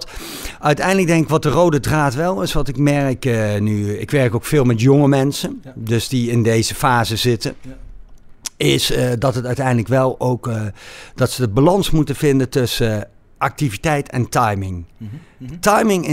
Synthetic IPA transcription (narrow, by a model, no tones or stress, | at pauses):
œɥtɛjndlək̚dɛŋkɪkʋɑt̚dərowdədraːtʋɛlˠɪsʋɑntɪkmɛrɪknyɪ̰kʋɛɹkowkfɪːlˠmɛtjoŋəmɛnsəndɵsdiɪndejzəfaːzəz̥ɪtə | ɪsdɑtɦətœɥtɛjndləkʋɛlˠowkd̥ɑtsəəbalɑnsmutənvɪndətɵsə | ʔɑk̚tivitɛjtʰɛ̰ntɑjmɪŋ | tɑjmɪŋɪ